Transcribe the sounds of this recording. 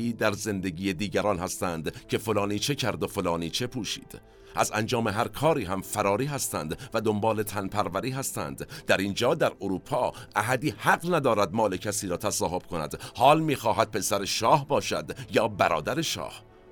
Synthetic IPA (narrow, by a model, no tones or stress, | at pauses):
iːd̪æɾze̞nd̪eɡiːjed̪iːɟæɾɒːnhæst̪ænd̪cʰe̞fo̞lɒːniːt͡ʃʰe̞cʰæɾd̪o̞fo̞lɒːniːt͡ʃʰe̞pʰuːʃḭːd̪̥ | ʔæzænd͡ʒɒːme̞ɦæɾkʰɒːɾiːɦæmfæɾɒːɾiːɦæst̪æ̰nd̪væd̪o̞mbɒːle̞t̪ʰænpʰæɾvæɾiːɦæst̪æ̰nd̪d̪æɾind͡ʒɒːd̪æɾoɾuːpʰɒːʔæɦæd̪iːhæɡnæd̪ɒːɾæd̪mɒːle̞cʰæsiːɾɒːt̪ʰæsɒːɦo̞b̥kʰonæ̰d̪̥hɒːlmiːxɒːɦæd̪̥̚pʰe̞sæɾe̞ʃɒːhbɒːʃæ̰d̪jɒːbæɾɒ̰ːd̪æɾeʃɒ̰ːh